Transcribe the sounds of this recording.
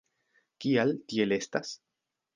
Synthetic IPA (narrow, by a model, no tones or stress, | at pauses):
kialt̪iele̞st̪as